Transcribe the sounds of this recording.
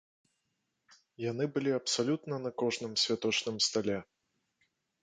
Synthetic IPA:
jan̪ɨbɨlʲiɐpsalʲut̪nɐnɐkɔʐnɨmsʲvʲat̪ɔt͡ʂnɨmst̪alʲɛ

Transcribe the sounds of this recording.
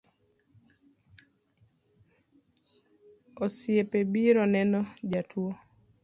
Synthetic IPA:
osjepebiɾɔnɛnɔd͡ʒatʰwo

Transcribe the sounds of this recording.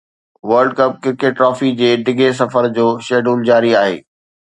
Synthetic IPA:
ʋɐɾɖ̚kɐp̚kɪɾkeʈ̚ʈːɾɔːfid͡ʑeːɖɪɡʱes̬ɐfəɾd͡ʑoːʃeːɖuːld͡ʑaːɾiaːɦḛː

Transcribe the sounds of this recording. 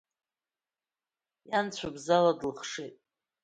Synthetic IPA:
jant͡ɕʷʰabzaladlχʂetʼ

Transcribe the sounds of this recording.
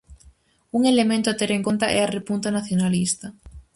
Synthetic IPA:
uŋelemẽnt̪oat̪eɾeŋko̞nt̪aʔɛarepunt̪anaθjonalist̪a

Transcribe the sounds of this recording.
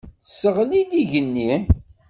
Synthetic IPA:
səʁlid̪iʝənːi

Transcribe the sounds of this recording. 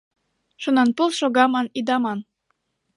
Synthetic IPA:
ʃunɑnpulˠʃoɣɑmɑnid̪ɑmɑn

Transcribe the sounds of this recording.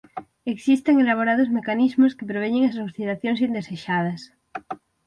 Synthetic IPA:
eksist̪eŋelaβoɾaðozmekanizmoskepɾeβ̞eɲeŋasostiðaθjoŋs̬ind̪eseʃað̞ɐs

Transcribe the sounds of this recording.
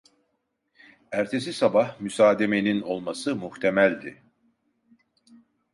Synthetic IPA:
æɾt̪ʰe̞sisabahmysaːd̪e̞me̞nino̞lˠmasɯmuht̪ʰe̞mælʲd̪ɪ̰

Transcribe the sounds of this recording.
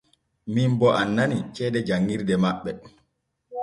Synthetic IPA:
mimbɔʔanːanit͡ʃɛːdɛd͡ʒaŋːiɾdɛmaɓːɛ

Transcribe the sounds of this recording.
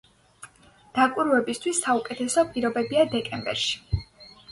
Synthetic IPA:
d̪̥akʼiɾvɛbist̪ʰwisːaukʼɛt̪ʰɛsɔpʼiɾɔbɛbiad̪ɛkʼɛmbɛ̰ɾʃi̥

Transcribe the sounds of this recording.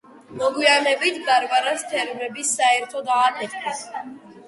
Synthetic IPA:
mɔɡwianɛbit̪ʰɡaɾvaɾast̪ʰɛɾvnɛbisːaɛɾt̪ʰɔd̪aːkʰɛt̪ʰɛs

